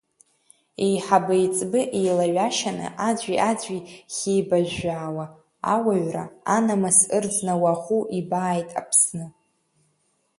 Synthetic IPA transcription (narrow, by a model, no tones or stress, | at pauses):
ejħabɨjt͡sʼbɨʔejlaɥaʃanɨ̰ʔad͡ʑʷʼiʔad͡zʷʼiχʲejbaʒᶣʷaːwa | awaɥra̰anamasɨrd͡znawaχʷuʔibaːjtʼa̰pʰsnɨ